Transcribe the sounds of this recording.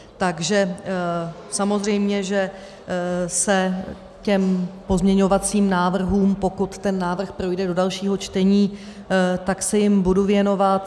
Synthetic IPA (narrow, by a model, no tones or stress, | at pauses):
t̪aɡʒɛ | samo̞zr̝ɛjmɲɛʒɛ | sɛ | cɛmpo̞zmɲɛɲo̞vat͡siːmnaːvr̩ɦuːmpo̞kut̪t̪ɛnːaːvr̩xpɾo̞jdɛdodalʃiːɦo̞t͡ʃt̪ɛɲiː | t̪aksɛjɪmbuduvjɛno̞vat̪